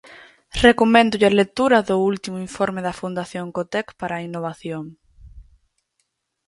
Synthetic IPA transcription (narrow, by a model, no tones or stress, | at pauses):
rekomɛ̃nd̪ʊʎalek̚t̪uɾɐðʊult̪imʊiɱfɔɾmeðɐfund̪aθjoŋkot̪ɛkpaɾaːinoβ̞aθjoŋ